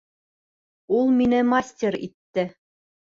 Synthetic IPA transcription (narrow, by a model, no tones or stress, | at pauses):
ulˠminɘmasʲtʲeɾḭt̪ːɘ